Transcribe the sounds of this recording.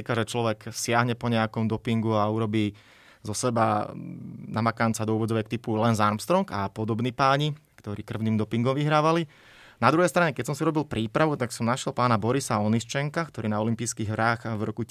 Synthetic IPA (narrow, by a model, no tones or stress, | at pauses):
ikaʒɛt͡ʃlɔʋɛksɪaɦɲɛpɔɲɛjakɔmd̪ɔpiŋɡuauɾɔbiː | zɔsɛba | namakant͡sad̪ɔuːʋɔd͡zɔʋɛkt̪ipulɛnzaɾmst̪ɾɔŋkapɔd̪ɔbniːpaːɲi | kt̪ɔɾiːkr̩ʊniːmd̪ɔpiŋɡɔmʋiɦɾaːʋali | nad̪ɾuɦɛjst̪ɾaɲɛkɛcsɔmsiɾɔbilˠpɾʔiːpɾaʋut̪aksɔmnaʃjɛlˠpaːnabɔɾisaɔnist͡ʃɛŋkakt̪ɔɾiːnaɔlimpiːskiɣɦɾaːxvɾɔku